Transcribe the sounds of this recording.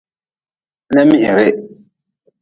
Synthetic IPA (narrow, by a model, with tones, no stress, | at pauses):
nɛ˦mi˦hɪ˨ɾɪ˦